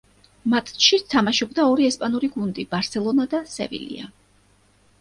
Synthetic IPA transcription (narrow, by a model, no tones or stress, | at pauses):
mat̪ʰʼʃit̪ʰamaʃɔbd̪aɔɾiɛspʼanuɾiɡund̪ib̥aɾt̪sɛlˠɔnad̪asɛ̰vḭlḭa̰